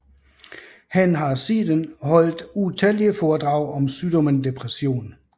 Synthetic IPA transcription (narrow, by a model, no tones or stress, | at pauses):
hænɦɑ̈siːd̥ənhɒ̽l̰d̥ut͡sʰæliəfɒːd̥ʁɑ̈ʊ̰ʔɒ̽msyːd̥ɒ̽mənd̥e̝pʰʁɛsjo̝̰ːn